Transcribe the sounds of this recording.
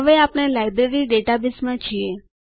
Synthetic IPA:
əʋeapɽ̃elajbɾeɾiɖeʈabismãt͡ʃʰie

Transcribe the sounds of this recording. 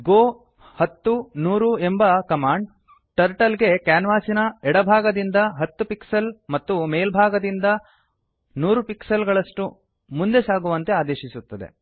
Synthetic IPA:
ɡoː | hɐt̪ːunuːɾuembɐkɐmaːɳɖ | ʈɐɾʈɐlɡe̞kaːnʋaːsinɐɛɽɐbʱaːɡɐd̪ind̪ɐɦɐt̪ːupiksɐlmɐt̪ːumeːlbʱaːɡɐd̪ind̪ɐ | nuːɾupiksɐlɡɐɭɐʂʈu | mund̪e̞saːɡuʋɐnt̪e̞aːd̪eːʃisut̪ːɐd̪ḛ

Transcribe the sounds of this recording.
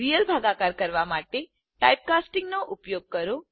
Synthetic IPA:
ɾijəlbʱaɡãkaɾkəɾʋamaʈe | ʈajp̚kasʈiŋɡnoʔupjoɡ̚kəɾo

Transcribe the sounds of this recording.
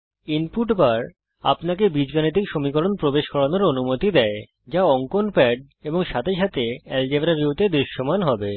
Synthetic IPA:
inpuʈbaɾ | a̰pnak̬ebid͡ʑɡanit̪ikʃomikoɾonpɾobeʃkɔɽanoɾonumot̪id̪ɛe | d͡ʑaɔŋkonpɛɖ̚ | eboŋʃat̪ʰeʃat̪eɛld͡ʑebɾabiut̪ed̪ɾiʃːomanɦɔbe

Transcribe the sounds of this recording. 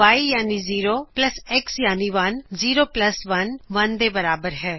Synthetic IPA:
aːijaːniziːɾoplɐseksjaːniʋɐnziːɾoplɐsʋɐnʋɐnd̪ebɐɾaːbəɾɦɛː

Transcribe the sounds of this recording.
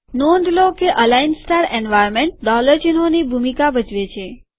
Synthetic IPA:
nõnd̪lokeʔəlainsʈaɾenʋajɾmeɳʈ̚ɖɔləɾd͡ʒinonibʱumikabəd͡ʒʋet͡ʃʰe

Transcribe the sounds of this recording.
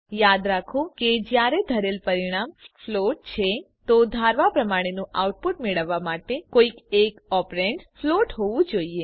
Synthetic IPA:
jad̪ɾakʰõked͡ʒjaɾed̪ʱəɾelpəɾiɽ̃amfloʈ̚t͡ʃʰe | t̪od̪ʱaɾʋapɾəmaɽ̃enũʔawʈ̚puʈmeɭəʋːamaʈekoikekɔpɾeɳʈfloʈɦoʋũd͡ʒoie

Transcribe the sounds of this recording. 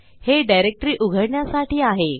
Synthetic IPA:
heɖajɾek̚ʈɾiːʔuɡʱəɽɳjasaʈiːaɦe

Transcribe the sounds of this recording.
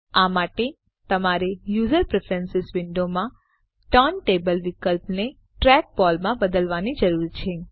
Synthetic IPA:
amaʈe | t̪əmaɾejuzəɾpɾefʰəɾənsɪsʋɪɳɖomã | ʈɔnʈebəlʋɪkəlpne | ʈɾɛk̚bɔlmãbəd̪əlʋanid͡ʒəɾuɾt͡ʃʰe

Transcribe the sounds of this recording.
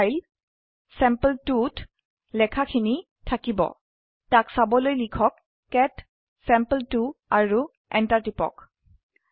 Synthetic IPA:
jl | sɛmpəltut | lɛkʰakʰini | tʰakibɔ̰ | taksabɔlojlikʰɔkː | ɛt | sɛ̃mpəltuaɹu | ɛ̰ntaɹtipɔ̰k

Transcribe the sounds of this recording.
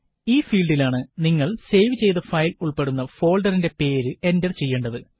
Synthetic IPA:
iːfiːlɖilaːɳɨniŋːɐɭse̞jʋɨt͡ɕe̞jt̪ɐfɐjluɭpe̞ɽunːɐfo̞ːɭɖɐrinde̞pe̞ːɾɨe̞ndɐrt͡ɕe̞jːeːɳɖɐðɨ

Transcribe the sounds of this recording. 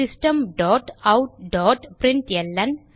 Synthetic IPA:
ɪsʈɐmɖɔːʈɐʊʈ̚ɖɔːʈpɾɪɳʈɛlːɐn

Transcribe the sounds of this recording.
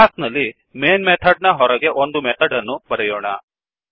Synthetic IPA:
aːsnɐlːi | meːnmet̪ʰɐɖnɐɦɔɾɐɡe̞ʔond̪umɛt̪ʰɐɖɐnːubɐɾɛjɔːɳɐ

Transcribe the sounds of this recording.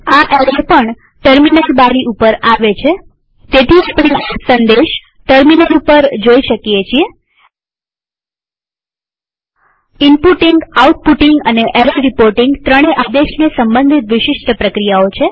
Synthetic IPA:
aʔeɾepəɳ | ʈəɾminəlbaɾiʔupəɾaʋet͡ʃʰe | t̪et̪ʰiapɽ̃esə̃nd̪eʃ | ʈəɾminəlupəɾd͡ʒoiʃəkjet͡ʃʰie | ɪmpuʈɪŋɡauʈ̚puʈɪŋɡəneʔeɾəɾipoɾʈɪŋɡt̪ɾəɽ̃eʔad̪eʃnesəmbə̃nd̪ʱit̪ʋɪʃɪʃʈpɾəkɾijaot͡ʃʰe

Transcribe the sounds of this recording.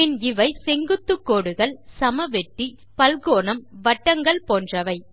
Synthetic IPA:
ɪnɪʋɐɪsɛŋɡɯt̪ːɯkːoːɽɯɣɐɭsɐmɐʋɛʈːi | pɐlɣoːnɐmʋɐʈːɐŋɡɐɭpoːndrɐʋɐɪ

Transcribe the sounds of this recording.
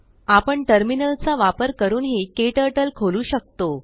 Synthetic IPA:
apəɳʈəɾminəlt͡saʋapəɾkəɾuːnɦekeʈəʈəlkʰoluːɕək̚t̪o

